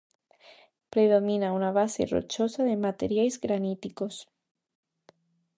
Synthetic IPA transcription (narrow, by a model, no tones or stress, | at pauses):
pɾeðomĩnaunaβ̞asḛro̰t͡ʃosaðemat̪ḛɾjajzɣɾanit̪iko̞s